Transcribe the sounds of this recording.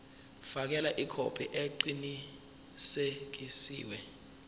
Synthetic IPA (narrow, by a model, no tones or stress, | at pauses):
fak̬ɛlaʔikʰopʰiʔeǃini | sek̬isḭːwɛ